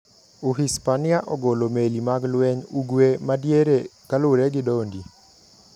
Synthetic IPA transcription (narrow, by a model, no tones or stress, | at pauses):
uɦispanɪaʔɔɡolomelimaɡlwɛɲuɡwemadjeɾekalʊɾeɡɪdondi